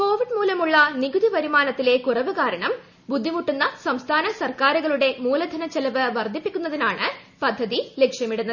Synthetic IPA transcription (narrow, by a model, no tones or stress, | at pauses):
ko̞ːʋiɖmuːlɐmuɭːɐniɡud̪ipɐɾimaːnɐt̪ːile̞kurɐʋɨkaːɾɐɳɐm | bud̪ʱːimuʈːunːɐsɐmst̪ʰaːnɐsɐrkaːɾuɣɐɭuɽe̞muːlɐd̪ʱɐnɐt͡ɕːelɐʋɨʋɐrd̪ʱipːikʲːun̪ːɐðinaːɳɨpɐd̪ʱːɐðile̞kʂjɐmiɽunːɐð